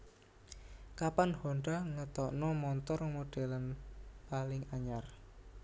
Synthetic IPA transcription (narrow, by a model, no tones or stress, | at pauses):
kapanhɔɳɖaŋət̪ɔʔnɔmɔnt̪ɔrmoɖ̥ɛlənpalɪŋaɲar